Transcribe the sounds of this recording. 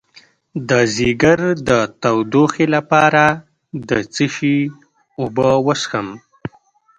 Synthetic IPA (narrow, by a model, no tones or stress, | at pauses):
d̪əziɡaɾd̪ət̪awd̪oxelapɑɾa | d̪ət͡səʃi | ʊbəwəsxəm